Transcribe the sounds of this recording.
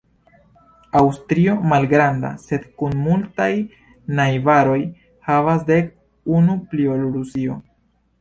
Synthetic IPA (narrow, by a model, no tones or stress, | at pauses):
awstɾio̞malɡɾanda̰se̞dkunmultaj | najvaɾo̞j | havas̬de̞k | unupliolɾusio̞